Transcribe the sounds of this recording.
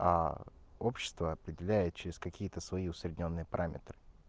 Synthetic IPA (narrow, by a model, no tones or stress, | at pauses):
a̰ | o̞pɕːɪ̥st̪vəɐpɾʲɪdʲɪlʲæjɪt̪̚t͡ɕɪɾʲɪskɐkʲijət̪əsvɐiʊsɾʲɪdʲɪnʲo̞nːɨjəpɐɾʔamʲɪ̰t̪ɾɨ